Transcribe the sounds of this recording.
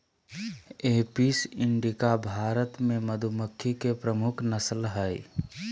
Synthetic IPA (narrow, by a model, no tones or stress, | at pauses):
eːpisɪɳɖikabʱaːɾət̪mẽməd̪ʱuməkʰːikepɾəmʊkʰnəslɦəj